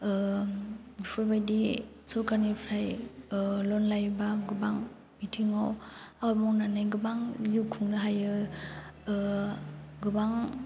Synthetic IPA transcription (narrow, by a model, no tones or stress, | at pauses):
pʰuɾbajdi | sɔɾkʰanipʰɾaj | lɔnlajbaɡɯbaŋ | bitʰiŋaw | awɾmɔwnanajɡɯbaŋzikʰuŋnɯɦajɯ | ɡɯbaŋ